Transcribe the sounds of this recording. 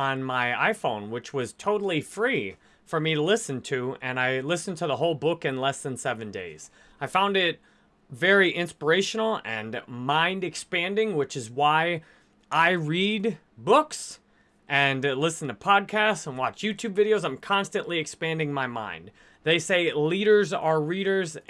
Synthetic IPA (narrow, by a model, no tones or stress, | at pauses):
ə̃nmaɪa̰ɪfõʊ̃nwɨt͡ʃwʌz̥tʰoʊɾl̩ˠifɹi | fə˞miɾəlɪsɨ̃n̩tʰɨɨ̃naɪlɪsn̩tʰəðəɦoʊlˠbʊkɨ̃nlɛsðɨ̃nsɛvɨ̃ndḛɪz̥ | aɪfãʊ̃ndɪt̚ | vɛɹiʔɪ̃nspə˞eɪʃnl̩ˠɨ̃nmãɪ̃ndɨkspæ̃ndɪ̃ŋwɨt͡ʃɨzwaɪ | ʔaɪɹid | bʊks | ʔɨ̃nlɪsn̩tʰəpʰɑd̚kʰæstsə̃n̩wɑt͡ʃjʉtʰʉbvɪɾioʊzãɪ̃mkʰɑ̃nstɨ̃nʔliɨkspæ̃ndɪ̃ŋmaɪmã̰ɪ̃n | ðeɪseɪliɾə˞zə˞ɹiɾə˞z